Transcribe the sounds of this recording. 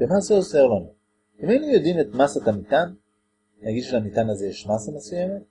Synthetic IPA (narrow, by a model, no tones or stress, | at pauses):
bemaseoseolano | imenijod̪imet̪masat̪amit̪an | naɡiʃlamit̪anazejeʃmasamesujeme